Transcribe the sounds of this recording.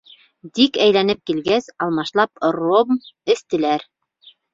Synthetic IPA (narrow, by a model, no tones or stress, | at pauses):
d̪ikæjlænɘp̚kilɡæsɑlˠmɑʃlˠɑprobmɘ̆θt̪ɘ̆læɾ